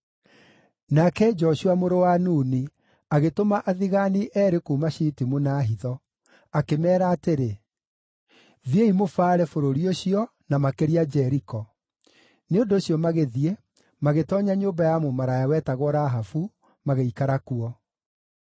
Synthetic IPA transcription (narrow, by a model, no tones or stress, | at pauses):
nakɛd͡ʒɔɕuamoɾowanuːni | aɣetomaʔaðiɣaniʔɛɾekuːmaɕitimunaːɦiðɔ | akemɛːɾaːteɾe | ðieimofaːɾɛfoɾoɾioɕiɔ | namakeɾiad͡ʒɛɾikɔ | neondoːɕiɔmaɣeðiɛ | maɣetɔɲaɲoːbajamumaɾajawɛːtaɣɔɾaɦafu | maɣeikaɾakuɔ